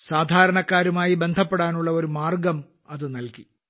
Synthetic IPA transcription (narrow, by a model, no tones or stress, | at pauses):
saːd̪ʱaːɾɐɳɐkːaːɾumaːjibe̞nd̪ʱɐpːeɽaːnuɭːɐo̞ɾumaːrɡɐm | ɐðɨnɐlki